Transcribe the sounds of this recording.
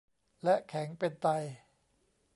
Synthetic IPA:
lɛ˦˥ʔkʰɛ˩˦ŋpe˧nt̪a˧j

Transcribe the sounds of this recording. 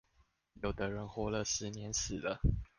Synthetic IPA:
jo˨˩ʊt̪ə˧˦ɻə˧˦nxwɔ˧˥lə˨ʂɻ̩˧˦njɛ˧˦nsɹ̩˨˩lə˦

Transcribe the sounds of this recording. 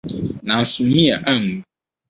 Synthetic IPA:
nã˨n̩˨su˨mĩ˦a˨ʔa˦˨ŋ˨

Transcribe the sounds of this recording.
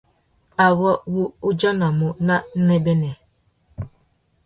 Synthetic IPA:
a˨wɔ˦wu˦ʊ˦d͡ʒɔ˦na˨mʊ˨na˦n̩˦ne˦be˦ne˨

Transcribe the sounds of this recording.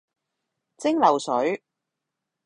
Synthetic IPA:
t͡sɪ˥ŋlɐ˨˩wsɵ˨˥ɥ

